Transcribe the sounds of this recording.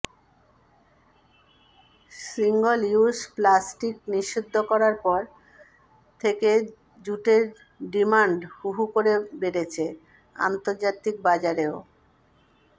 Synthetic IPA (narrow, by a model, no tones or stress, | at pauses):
siŋɡoliusplasʈikniʃːud̪ʱːokɔɾaɾpɔɾ | t̪ʰeke | d͡ʑuʈeɾ | ɖimaɳɖhuɦukoɾebeɾet͡ɕʰe | a̰nt̪oɾd͡ʑat̪ik̚bad͡ʑaɾeo